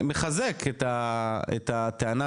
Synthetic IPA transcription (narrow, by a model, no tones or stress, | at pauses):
meχazeket̪aḛt̪at̪eana